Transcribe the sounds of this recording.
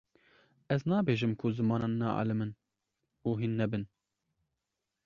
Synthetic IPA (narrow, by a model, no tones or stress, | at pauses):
ɛznɑːbeːʒɨmkʰʊzɨmɑːnɑnːɑʔɑ̰lɨmɨn | uːɦinːɛbɨn